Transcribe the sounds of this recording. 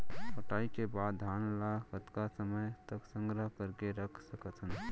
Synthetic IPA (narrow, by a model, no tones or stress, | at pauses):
apəʈaikebad̪d̪ʱanlakət̪kasəməjt̪əksə̃ŋɡɾəɦkəɾkeɾəkʰsəkət̪ʰən